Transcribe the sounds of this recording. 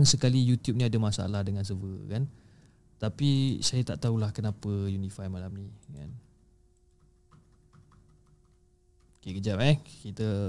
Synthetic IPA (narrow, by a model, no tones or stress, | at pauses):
ŋsəkalijut̪jup̚niadamasa̰lahdəŋãns̬əvəkan | t̪apisajat̪a̰ʔt̪aulahkənapəjunifajmalamnika̰n | kekəd͡ʒapɛkit̪ə